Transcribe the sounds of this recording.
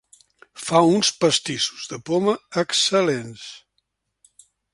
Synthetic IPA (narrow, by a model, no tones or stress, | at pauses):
faunspəst̪isu̥zðəpoməːksəlens